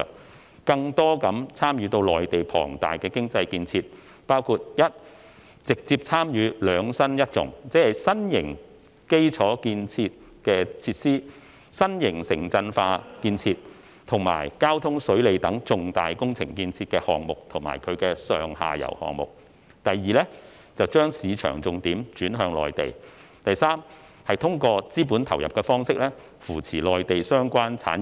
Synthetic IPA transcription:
kɐ˧ŋt̪ɔː˥kɐ˨˥mt͡sʰaː˥mjyː˨˧t̪o˧wlɔː˨jt̪e˨jpʰɔ̰ː˨˩ŋt̪a̰ː˨jkɛː˧kɪ˥ŋt͡sɐ˧jkiː˧nt͡sʰiː˧t̚ | paː˥wkʰuː˧t̚jɐ˥t̚ | t͡sɪ˨k̚t͡siː˧p̚t͡sʰaː˥mjyː˨˧lœː˨˧ŋsɐ˥njɐ˥t̚t͡sʊ̰˨˥ŋt͡sɛː˨˥hɐ˨jsɐ˥njɪ˨˩ŋ | ke˥jt͡sʰɔː˨˥kiː˧nt͡sʰiː˧t̚ | kɛː˧t͡sʰiː˧t̚siː˥ | sɐ˥njɪ˨˩ŋsɪ˨˩ŋt͡sɐ˧nfaː˧kiː˧nt͡sʰiː˧t̚ | t̪ʰʊ˨˩ŋma̰ː˨˩jkaː˥wt̪ʰʊ˥ŋsɵ˨˥ɥle˨˧jt̪ɐ˨˥ŋt͡sʊ˨˧ŋt̪aː˨jkʊ˥ŋt͡sʰɪ˨˩ŋkiː˧nt͡sʰiː˧t̚kɛː˧hɔː˨ŋmʊ˨k̚t̪ʰʊ˨˩ŋma̰ː˨˩jkʰɵ˨˧ɥkɛː˧sœː˨ŋha̰ː˨jɐ̰˨˩whɔ̰ː˨ŋmʊ̰˨k̚ | t̪ɐ˨jːiː˨˧lɛː˥ | t͡sɐ˨wt͡ʃœː˥ŋsiː˨˧t͡ʃʰœ̰ː˨˩ŋt͡sʊ˨˧ŋt̪iː˨˥mt͡ʃyː˨˥nɦœː˧ŋlɔ̰ː˨jt̪e˨j | t̪ɐ˨jsaː˥m | hɐ˨jt̪ʰʊ˥ŋkɔː˧t͡siː˥puː˨˥nt̪ʰɐ˨˩wjɐ̰˨p̚kɛː˧fɔː˥ŋsɪ˥k̚lɛ˥ | fuː˨˩t͡sʰiː˨˩lɔː˨jt̪e˨jsœː˥ŋkʷaː˥nt͡sʰa̰ː˨˥n

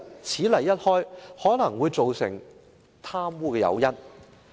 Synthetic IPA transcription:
t͡sʰiː˨˥lɐ˨˩jːɐ˥t̚hɔː˥jhɔː˨˥nɐ˨˩ŋwuː˨˧jt͡so˨wsɪ̰˨˩ŋ | t̪ʰaː˥mwuː˥kɛː˧jɐ̰˨˧wjɐ˥t̚

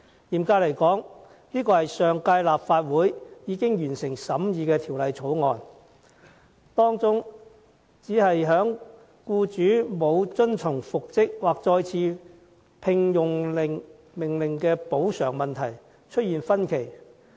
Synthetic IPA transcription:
jiː˨˩mkaː˧lɐ˨˩jkɔː˨˥ŋ | niː˥kɔː˧hɐ˨jsœː˨ŋkaː˧jlaː˨p̚faː˧t̚wuː˨˥jjiː˨˧˥kɪ˥ŋjyː˨˩nsɪ˨˩ŋsɐ˨˥mjiː˨˧kɛː˧t̪ʰiː˨˩wlɐ˨jt͡sʰo˨˥wŋɔː˨˧n | t̪ɔː˥ŋt͡sʊ˥ŋ | t͡siː˨˥hɐ˨jɦœː˨˥ŋ | kuː˧t͡ʃyː˨˥mo˨˧wt͡ʃɵ˥nt͡sʰʊ˨˩ŋfʊ˨k̚t͡sɪ˥k̚waː˨k̚t͡ʃɔː˧jt͡sʰiː˨˧ | pʰɪ˧ŋjʊ˨ŋlɪ˨˩ŋ | mɪ˨˩ŋlɪ˨˩ŋkɛː˧po˨˥wsœː˨˩ŋmɐ˨nt̪ʰɐ˨˩j | t͡ʃʰɵ˥t̚jiː˨nfɐ˥nkʰe˨˩j

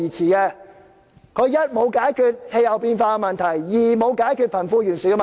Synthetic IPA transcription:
iː˨˩t͡sʰiː˨˩kɛː˧ | kʰɵ˨˧ɥjɐ˥t̚mo˨˧wkaː˨˥jkʰyː˨˧t̚he˧jɐ˨˩wpiː˧nfaː˧kɛ˧mɐ˨nt̪ʰɐ˨˩jjiː˨˩mo˨˧wkaː˨˥jkʰyː˨˧t̚pʰɐ˨˩nfuː˧jyː˨˩nsyː˨˥kɛ˧mɐ˨

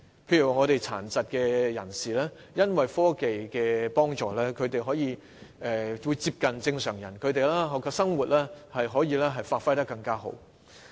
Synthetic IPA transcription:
pʰe˧jy˨˩waː˨ŋɔː˨˧t̪e˨jt͡sʰa̰ː˨˩nt͡sɐ˨t̚kɛː˧jɐ̰˨˩nsiː˨lɛː˥ | jɐ˥nwɐ˨jfɔː˥ke˨jkɛː˧pɔː˥ŋt͡ʃɔː˨lɛː˥kʰɵ˨˧ɥt̪e˨jɦɔː˨˥jiː˨˧ | ɛː˨wu˨˧jt͡siː˧p̚kɐ˨nt͡sɪ˧ŋsœː˨˩ŋjɐ˨˩nkʰɵ˨˧ɥt̪e˨˧jlɛː˥ɦɔ˨˧kʰɔ˧sɐ˥ŋwuː˨˩t̚lɛː˥hɐ˨jɦɔː˨˥jiː˧lɛː˥ɦɐ˨jfaː˧t̚fɐ˥jt̪ɐ˥kːɐ˧ŋkaː˥ɦo̰˨˥w

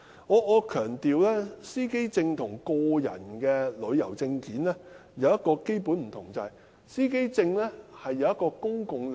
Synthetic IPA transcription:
ŋɔː˨˧ɔː˨˧kʰœː˨˩ŋt̪iː˨wlɛː˥siː˥ke˥jt͡sɪ˧ŋt̪ʰʊ˨˩ŋkɔː˧jɐ̰˨˩nkɛː˧lɵ˨˧ɥjɐ˨˩wt͡sɪ˧ŋkiː˨˥nlɛː˥jɐ˨˧wjɐ˥t̚kɔː˧ke˥jpu˨˥nm̩˨˩t̪ʰʊ˨˩ŋt͡sɐ˨hɐ˨j | siː˥ke˥jt͡sɪ˧ŋlɛː˥hɐ˨jːɐ˨˧wjɐ˥t̚kɔː˧kʊ˥ŋkʊ˨ŋ

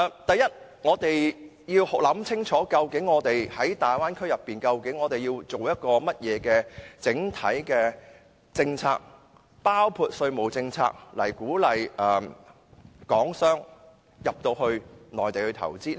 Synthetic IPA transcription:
t̪ɐ˨˩jɐ˥t̚ | ŋɔː˨˧t̪e˨j | jiː˧whlɐ˨˥mt͡sʰɪ˥ŋt͡ʃʰɔː˨˥kɐ˧wkɪ˨˥ŋːɔː˨˧t̪e˨jhɐ˨˥jt̪aː˨˩jwaː˥nkʰɵ˥ɥjɐ˨pːiː˨nkɐ˧wkɪ˨˥ŋːɔː˨˧t̪e˨˩jiː˧wt͡so˨wjɐ˥t̚kɔː˧mɐ˥t̚jɛː˨˧kɛː˧t͡sɪ˨˥ŋt̪ʰɐ̰˨˥jkɛː˧ | t͡sɪ˧ŋt͡sʰa̰ː˧k̚ | paː˥wpʰuː˧t̚sɵ˧ɥmo˨wt͡sɪ˧ŋt͡sʰa̰ː˧k̚lɐ̰˨˩jkuː˨˥lɐ˨jɛː˨ | kɔː˨˥ŋsœː˥ŋ | jɐ˨p̚t̪o˧wɦɵ˧ɥnɔː˨˩jt̪e˨jhɵ˧t̪ʰɐ̰˨˩wt͡siː˥

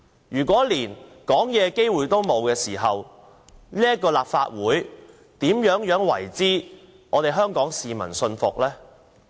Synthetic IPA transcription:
jyː˨˩k̬ʷɔː˨˥liː˨˩nkɔː˨˥ŋjɛː˨˧ke˥jwuː˨jt̪o˥wmo˨˧wkɛː˧siː˨˩ɦɐ˨w | niː˥əkːɔː˧laː˨p̚fa̰ː˧t̚wuː˨˥j | t̪iː˨˥mjœː˨˥ŋjœː˨˥ŋwɐ̰˨˩jt͡siː˥ | ŋɔː˨˧t̪e˨jɦœː˥ŋkɔː˨˥ŋsiː˨mɐ̰˨˩nsɵ˧nfʊ˨k̚lɛː˥

